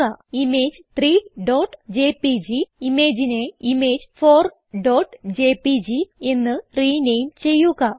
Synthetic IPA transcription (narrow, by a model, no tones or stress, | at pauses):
ɐimeːd͡ʑ | t̪ɾiːɖoːʈd͡ʑeːpid͡ʑiimeːd͡ʑineimeːd͡ʑfoːr | ɖoːʈd͡ʑeːpid͡ʑie̞nːɨriːnejmt͡ɕe̞jːuɣɐ